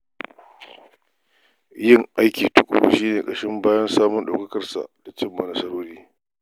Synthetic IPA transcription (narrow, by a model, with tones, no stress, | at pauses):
jɪ˦˨ŋʔa˦jkʲiː˨tʊ˦kʷʼʊ̰˨bu˨ʃiː˦neː˨kʼɐ˨ʃɪ˦mbaː˦jɐ˦nsaː˦mʊ˦nɗa̰˨kɐ˦kɐ˦rsa̰˨d̥a˨t͡ʃɪ˦mːɐ˨nɐ˨˦sɐ˦ɽoː˦ɽiː˦